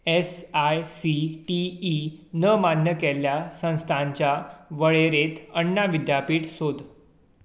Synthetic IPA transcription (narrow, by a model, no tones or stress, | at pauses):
esajsiʈiː | nəmanjəkɛljasə̃w̃st̪ʰãɲt͡ɕjaʋəɭeɾet̪ʰəɳːaʋid̪japiːʈsod̪